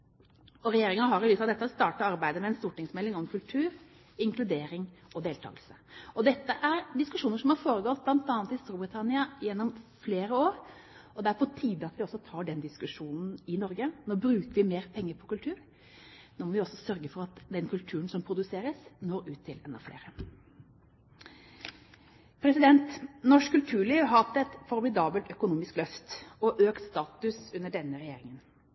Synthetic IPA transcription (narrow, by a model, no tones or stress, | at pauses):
ɔɾɛjeːɾɪŋɑəɦɑɾɪlysɑd̪ɛt̪ːəst̪ɑːʈəɾɑɾbæɪd̪əmɛɛnst̪uːʈɪŋsmɛlːɪŋɔmkʰʉlt̪ʰʉːɾ | ɪŋkʰlʉd̪eːɾɪŋɔd̪eːlt̪ʰɑ̰ːɡəlsəɔd̪ɛt̪ːəʔæɾɖ̪ɪskʉʂuːnəɾʂɔmhɑɾfoːɾəɡɔlt̪̚blɑnt̪ɑːnt̪ɪst̪uːbɾɪt̪ʰɑnɪɑɪjɛnːɔmfleːɾəoːɾɔd̪ɛæɾpʰɔt̪ʰiːd̪əɑt̪ʋɪɔsːɔt̪ʰɑːɖɛnd̪ɪskʉʂuːnn̩ɪnɔɾɡənoːbɾʉːkəɾʋɪmeːɾpʰɛŋːəpʰɔkʉlt̪ʰʉːɾ | noːmɔʋɪɔsɔsœɾɡəfɔɾɑt̪d̪ɛnkʉlt̪ʰʉːɾənsɔmpʰɾʊd̪ʉseːɾəsnoːɾʉːt̪ʰːɪlɛnɔ̰flḛːɾə | pʰɾɛsɪd̪ɛnt̪nɔʂkʰːʉlt̪ʰʉːɭiːʋɦɑt̪ɛt̪fɔɾɔb̪ɪd̪ɑːbəlt̪œkʊnuːmɪsklœft̪ɔʔøːkt̪st̪ɑːt̪ʉsʉnːəɖɛnːəɾɛjeːɾɪŋən